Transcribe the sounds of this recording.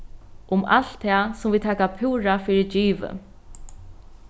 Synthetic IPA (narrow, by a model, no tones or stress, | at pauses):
ʔʊma̰l̥t̪ʰːasʊmviːt̪ʰɛːkapʰuːɾafiːɾɪd͡ʒiːʋə̰